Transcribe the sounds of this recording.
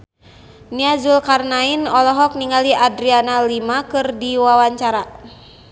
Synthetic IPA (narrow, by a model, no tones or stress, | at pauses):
niazulkarnainɔlɔɦɔk̚niŋaliʔadɾianalimakɨrdiwawaɲt͡ʃaɾa